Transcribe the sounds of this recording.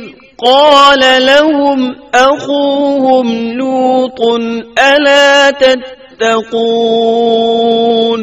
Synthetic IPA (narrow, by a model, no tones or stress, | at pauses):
qɑːlalahʊmʔaxuːhʊmluːt̪ˤnʔalaːt̪at̪ːaquː | n